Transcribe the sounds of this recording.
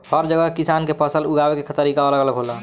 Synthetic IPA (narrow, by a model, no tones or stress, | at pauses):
pʰəɾd͡ʒəɡəkisankepəsəluɡabekekt̪əɾikaoləɡələkɦolə